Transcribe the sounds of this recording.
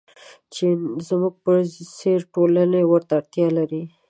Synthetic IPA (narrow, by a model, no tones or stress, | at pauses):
t͡ʃezmuɡ̚pəseɾʈolanewəɾt̪aːɽt̪jɑlaɾi